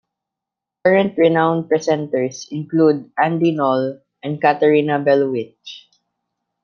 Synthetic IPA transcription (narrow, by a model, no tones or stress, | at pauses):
kaɹɛ̃nt̪ɹɛnãwnd̪̚pɹɛsɛ̃nt̪ɛɹsɪ̃nklud̪̚ʔãnd̪inɔl | ʔɛ̃nd̪̚kat̪ɛɹinabɛlwɪt͡ʃ